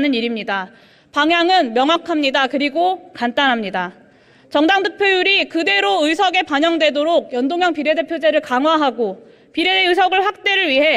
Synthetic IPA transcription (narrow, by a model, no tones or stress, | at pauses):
nɯniɾimɲida | paŋɦjaŋɯnmjʌŋwakʰamɲidakɯɾiɡokant͈anɦamɲida | t͡ɕʌŋdaŋdʰɯk̚pʰjojuɾikɯde̞ɾoɯjsʰʌɡe̞paɲʌŋdwe̞doɾoɡ̚jʌndoŋɦjʌŋpiɾe̞de̞pʰjod͡ʑe̞ɾɯɭkaŋɦwaɦaɡo | piɾe̞eɯjsʰʌɡɯɭɸwak̚t͈e̞ɾɯɭɥiɦe̞